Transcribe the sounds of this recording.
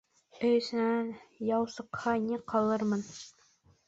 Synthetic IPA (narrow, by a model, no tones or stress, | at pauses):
ɵ̆jɘ̆sɘ̆nænjɑwsɤ̆qhɑniqɑlˠɤɾmɤn